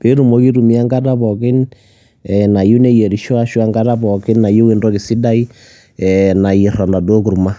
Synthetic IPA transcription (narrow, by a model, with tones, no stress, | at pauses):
ke˦ɾu˨mo˦ki˦ɾu˨mi˦a˦ŋɡa˦ta˦βɔki˦n | ɛna˨ju˦ne˦jɛ˨ɾi˨ʃɔ˦a˦ʃwa˦ŋɡa˦ta˦pɔ˨ki˦nna˨jo˦we˦ndɔ˦ke˨si˦da˦i˦ | ɛna˨i˨ɾa˨nda˨do˦ku˨ɾu˨ma˦